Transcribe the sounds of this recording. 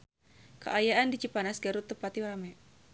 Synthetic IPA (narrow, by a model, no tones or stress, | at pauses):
ka̰ʔajaʔandit͡ʃipanasɡaɾut̪əpat̪iwaɾamɛ